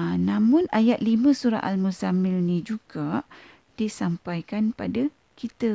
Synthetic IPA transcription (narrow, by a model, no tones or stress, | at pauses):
nãmʊ̃najat̪̚limə̃suɾa̰ʔa̰lmusamɪlnĩd͡ʒuɡaʔ | d̥isampajkanpada | kit̪ə